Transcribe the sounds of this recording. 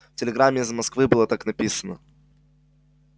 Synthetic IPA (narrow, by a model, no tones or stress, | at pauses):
ftʲɪlʲɪɡɾamʲːɪizmɐskvɨbɨlˠət̪aknɐpʲisənə